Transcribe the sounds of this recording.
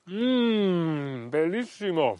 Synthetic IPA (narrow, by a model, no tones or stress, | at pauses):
belːisːimo